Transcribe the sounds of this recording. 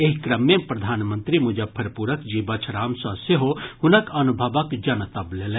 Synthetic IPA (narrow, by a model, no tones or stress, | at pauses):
eɦikɾɐmjepɾɐd̪ʱaːnmə̃nt̪ɾimud͡ʒɐpʰɐɾpuːɾəkd͡ʒibɐt͡ʃʰɾaːmsɔseɦohʊnəkɐnubʱɐʋəkd͡ʒɐnt̪ɐbleːlẽ